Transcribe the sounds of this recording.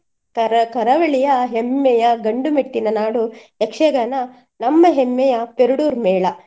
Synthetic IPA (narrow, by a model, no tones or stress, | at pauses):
kɐɐkɐɾɐʋɐɭijɐɦemːɛjɐɡɐɳɖumeʈːinɐnaːɽuekʂɐɡɐnɐ | nɐmːɐɦemːɛjɐpeɾuɽuːɾmɛːɭɐ